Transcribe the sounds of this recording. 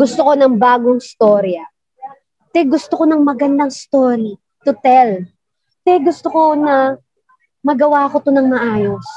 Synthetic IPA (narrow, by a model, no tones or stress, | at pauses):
ɡʊst̪oko̞nɐŋbaːɡoŋɪst̪o̞ːɾjɐ | t̪ɛɡʊst̪okonɐŋmɐɡɐnd̪ɐŋɪst̪oːɾi | t̪ʊt̪ɛl | t̪ɛɡʊst̪oko̞nɐ | mɐɡɐwaɐkot̪onɐŋmɐʔaːjo̞s